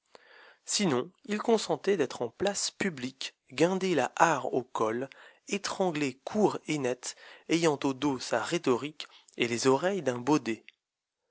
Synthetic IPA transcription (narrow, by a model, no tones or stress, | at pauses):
sinɔ̃ilkɔ̃sɑ̃t̪ɛd̪ɛt̪χɑ̃plaspyblik | ɡɛ̃d̪ela̰ʔaʁokɔl | et̪χɑ̃ɡlekʰuʁenɛt̪ejɑ̃t̪od̪osaʁet̪ɔʁik | elezɔʁɛjd̪ɛ̃bod̪e